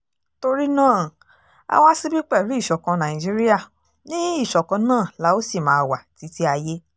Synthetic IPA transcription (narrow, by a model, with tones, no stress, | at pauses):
to˧ɾi˦nãː˦˨ | a̰˧wa˦si˦bi˦k͡pɛ˦˨ɾu˨˦i˦˨ʃɔ˨kã˧nã˨ĩ˨d͡ʒi˦ɾi˦ja˦˨ | nĩ˦i˦˨ʃɔ˨kã˧nãː˦˨la˨˦o˦si˦˨mãː˦˧˨wa˨ti˨˦ti˦a˧je˦